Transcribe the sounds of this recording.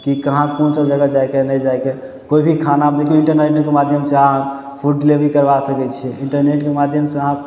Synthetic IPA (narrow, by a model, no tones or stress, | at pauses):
kikəɦãkonsə̃d͡ʒəɡad͡ʒajkenəjd͡ʒajke | koibʱikʰanabd̪ekiɳʈəɾneʈkemad̪ʱjəmseəɦã | pʰuɖlebʱikəɾbasəkɛt͡ʃʰiɛiɳʈəɾneʈkemad̪ʱjəmseəɦã